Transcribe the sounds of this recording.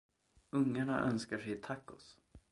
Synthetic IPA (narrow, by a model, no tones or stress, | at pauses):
ɵŋːaɳa̰ʔœnskaʂɛjt̪ʰakːʊs